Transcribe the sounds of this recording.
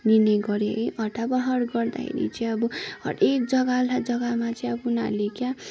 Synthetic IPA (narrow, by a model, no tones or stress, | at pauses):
nineɡʌɾeiʔʌʈabʌɦʌɽɡʌrd̪a̰kʰḛɾḭt͡sʌĩʌbuɦʌ̰ɽek̚d͡zʌɡalad͡zʌɡamat͡sʌĩʌbuuna̰lekja